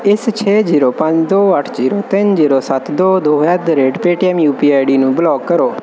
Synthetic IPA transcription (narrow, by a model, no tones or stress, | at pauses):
ɪst͡ʃʰɛːd͡ʒiːɾoːpə̃ɲd͡ʒd̪oːəʈʰziːɾoːt̪ɪnd͡ʒiːɾoːsət̪ʰd̪oːd̪oːɛd̪ɾeːɖpeːʈiɛːmjuːpiːaːjɖiːnũːbəlɔːkkəɾoː